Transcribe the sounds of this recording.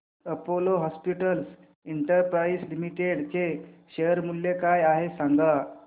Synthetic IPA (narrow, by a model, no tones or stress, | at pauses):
əpoloɦɔspiʈəls | iɳʈəɾpɾaislimiʈeɽt͡ɕeɕeəɾmulːekajaɦesãŋɡa